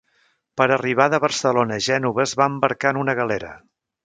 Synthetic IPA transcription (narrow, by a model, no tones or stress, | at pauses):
pəɾəriβ̞aðəβəɾsəlonəʒɛnuβəzβaəmbəɾkanunəɣəleɾə̰